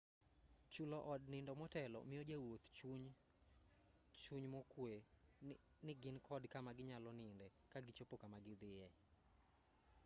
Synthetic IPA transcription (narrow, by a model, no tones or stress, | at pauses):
t͡ʃulɔʔɔdnɪndɔmɔtɛlɔ̰mɪjɔd͡ʒawot̪t͡ʃuɲ | t͡ʃuɲmɔkwe | nɪɡɪnkʰɔdkamaɡɪɲalɔnɪndɛ | kaɡɪt͡ʃopokamaɡɪd̪ɪjɛ